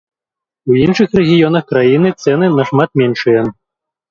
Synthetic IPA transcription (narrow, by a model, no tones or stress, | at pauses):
uinʂɨxrɛɣʲijɔnɐxkɾajinɨt̪sɛnɨnɐʂmat̪̚mʲɛnʂɨjɐ